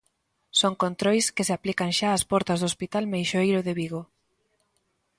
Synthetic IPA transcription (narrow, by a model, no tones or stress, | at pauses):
soŋkont̪ɾojskɪsɪaplikɐŋʃaːspɔɾt̪ɐzðospit̪almejʃoejɾʊðeβiɣo